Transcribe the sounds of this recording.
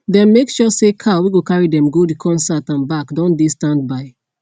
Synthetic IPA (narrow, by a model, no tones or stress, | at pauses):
dɛ̃nmekʃɔsekʰawiɡokaɹidɛ̃mɡodikʰɔ̃nsatãnbakdɔ̃ndestãnd̚baɪ